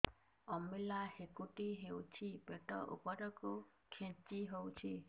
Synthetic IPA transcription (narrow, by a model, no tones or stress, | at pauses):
ɔmilahekuʈiɦewt͡ʃʰipeʈɔ̰ʔṵpɔɾɔku | kʰẽt͡ʃiɦowt͡ʃʰi